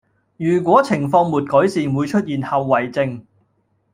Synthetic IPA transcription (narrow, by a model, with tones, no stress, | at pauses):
jyː˨˩k̬ʷɔː˨˥t͡sʰɪ˨˩ŋfɔː˧ŋmuː˨˩t̚kɔː˨˥jsiː˨˩nwuː˨˧jt͡ʃʰɵ˥t̚jiː˨nhɐ˨wːɐ˨˩jt͡sɪ˧ŋ